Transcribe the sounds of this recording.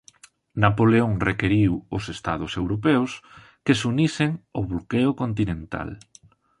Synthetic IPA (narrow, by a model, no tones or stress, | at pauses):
napoleõŋrekeɾiwʊsest̪a̰ðʊsewɾop̬ews | kesuniseŋoβlokeʊkont̪inẽnt̪a̰l